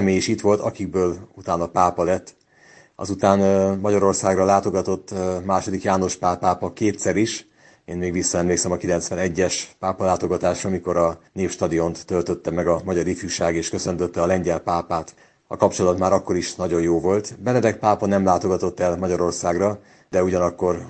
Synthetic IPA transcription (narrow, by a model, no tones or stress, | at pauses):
meːjiʃit̪ʋo̞lt̪ɒkiɡ̚bøːlut̪aːnɒpaːpɒlɛt̪ː | ɒ̰zut̪aːnmɒɟɒɾo̞rsaːɡrɒlaːt̪o̞ɡɒt̪o̞t̪ːmaːʃo̞d̪ikjaːno̞ʃpaːpaːpɒkeːt̪sɛɾiʃ | eːnmeːɡʋisːɒɛmleːksɛmɒkilɛnt̪sʋɛnɛɟːɛʃpaːpɒlaːt̪o̞ɡɒt̪aːʃrɒmiko̞ɾɒneːpʃt̪ɒd̪io̞nt̪ːølt̪ø̞t̪ːɛmɛɡɒmɒɟɒɾifjuʃaːɡeːʃkøsø̞nt̪ø̞t̪ːɛɒlɛɲɟɛlpaːpaːt̪ | ɒ̰kɒpt͡ʃo̞lɒt̪maːɾɒkːo̞ɾiʃnɒɟo̞jjoːvo̞lt̪bɛnɛd̪ɛk̚paːpɒnɛmlaːt̪o̞ɡɒt̪o̞t̪ːɛlmɒɟɒɾo̞rsaːɡrɒ | d̪ɛuɟɒnɒkːo̞r